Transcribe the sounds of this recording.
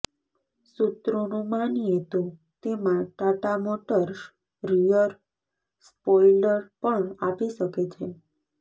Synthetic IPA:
sut̪ɾonũmanijet̪o | t̪emãʈaʈamoʈəɾs | ɾijəɾ | spɔiləɾpəɳapiʃəket͡ʃʰe

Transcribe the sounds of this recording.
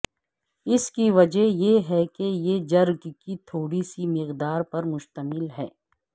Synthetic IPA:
ɪskiʋɐd͡ʒəɦjeɦɛkejed͡ʒɐɾɡkit̪ʰoːɽisimɪqd̪aːɾpɐɾmʊʃt̪əmɪlɦɛː

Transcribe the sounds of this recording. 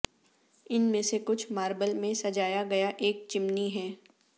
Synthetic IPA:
ɪnmẽsekʊt͡ʃʰmaːɾbəlmẽsɐd͡ʒaːjaɡɐjaʔeːk̚t͡ʃɪmniɦɛː

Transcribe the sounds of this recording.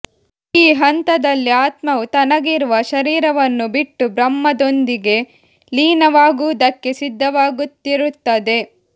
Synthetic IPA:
iːɦɐnt̪ɐd̪ɐlːiaːt̪mɐʋut̪ɐnɐɡiɾuʋɐʃɐɾiːɾɐʋɐnːubiʈːubɾɐmːɐd̪ond̪iɡe̞ | liːnɐʋaːɡuːd̪ɐkːe̞sid̪ʱːɐʋaːɡut̪ːiɾut̪ːɐd̪e̞

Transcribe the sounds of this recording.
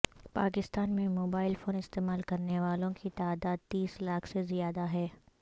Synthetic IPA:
paːkɪst̪aːnmẽmoːbaːɪlfoːnɪst̪eːmaːlkɐɾneʋaːlõkit̪aːd̪aːd̪̚t̪iːslaːkʰsezijaːd̪aɦɛː

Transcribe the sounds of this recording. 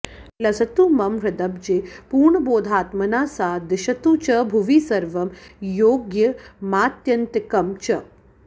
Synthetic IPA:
lɐsɐt̪umɐmɾɐd̪ɐb̚d͡ʒeːpuːɾɳɐboːd̪ʱaːt̪mɐnaːsaːd̪ɐʃɐt̪ut͡ʃɐbʱuʋiːsɐɾʋɐmjoːɡjɐmaːt̪jɐnt̪ikɐmt͡ʃɐ

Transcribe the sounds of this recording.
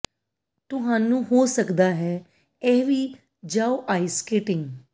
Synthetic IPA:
t̪ʊɦaːnũːɦoːsəkd̪aːɦɛː | ɛːʋiː | d͡ʒaːoʔaːiskeːʈɪŋɡ

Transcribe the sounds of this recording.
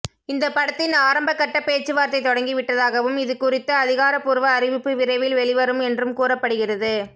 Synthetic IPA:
ɪnd̪ɐpɐɽɐt̪ːɪnaːɾɐmbɐkːɐʈːɐpːeːɾt͡ʃːɯʋaːɾt̪ɐɪt̪ɔɽɐŋɡiʋɪʈːɐðaːɣɐʋɯmɪðɯkʊrɪt̪ːɐːðɪɣaːɾɐpuːɾʋɐːɾɪʋɪpːɯʋɪɾɐɪʋɪlʋɛɭɪʋɐɾɯmɛndrɯmkuːrɐpːɐɽɯɣɪrɐðɯ

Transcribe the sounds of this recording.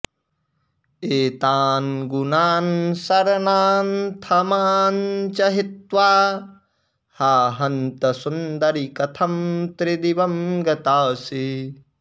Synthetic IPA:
eːt̪aːnɡunaːnsɐɾɐnaːnt̪ʰɐmaːnt͡ʃɐɦit̪ʋaː | haːɦɐnt̪ɐsund̪ɐɾikɐt̪ʰɐmt̪ɾid̪iʋɐmɡɐt̪aːsi

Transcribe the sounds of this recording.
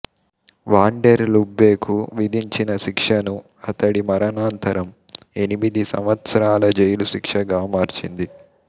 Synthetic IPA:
ʋaːɳɖeɾlubːe̞ːkʰuʋid̪iɲt͡ʃinɐʃikʂɐnu | ɐt̪ɐɽimɐɾɐnaːnt̪ɐɾɐm | e̞nimid̪isɐ̰mʋɐt̪sɐɾaːlɐd͡ʒejluʃikʂɐɡaːmaːɾt͡ʃind̪i

